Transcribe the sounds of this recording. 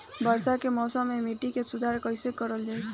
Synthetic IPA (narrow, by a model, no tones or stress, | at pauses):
bəɾsakemɔːsəmːemiʈikesud̪ʱaɾkəɪsekəɾəld͡ʒaːjt͡ʃʰ